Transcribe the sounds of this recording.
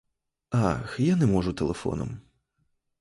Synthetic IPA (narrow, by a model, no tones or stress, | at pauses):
axjanɛmɔʐʊt̪elˠefɔ̰nɔ̰m